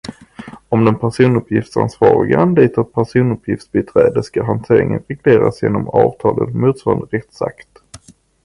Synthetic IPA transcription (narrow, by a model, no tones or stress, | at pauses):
ɔmd̪ɛnpʰæʂuːnɵpʰjɪft̪sa̰nsvɑːɾɪɡaand̪ɛːt̪ʰat̪̚pʰæʂuːnɵpʰjɪft̪sbɛt̪ʰɾɛːd̪əskaɦant̪ʰeːɾɪŋənɾɛɡleːɾasjeːnɔmɑːvt̪ʰɑːlət̪muːt̪svɑːɾand̪əɾɛt̪sa̰kt̪